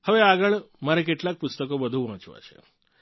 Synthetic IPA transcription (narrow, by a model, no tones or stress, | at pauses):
həʋeaɡəɭ | maɾek̬eʈlak̚pʊst̪əkobəd̪ʱũʋãt͡ʃʋa̰t͡ʃʰḛ